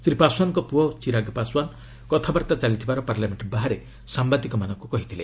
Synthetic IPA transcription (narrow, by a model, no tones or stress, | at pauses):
sɾipaswanɔkɔpuɔt͡ʃiɾaɡpaswan | kɔt̪ʰabaɾt̪at͡ʃalit̪ʰibaɾɔpaɾljameɳʈbaɦaɾe | sambad̪ikɔmanɔŋkukɔɦit̪ʰile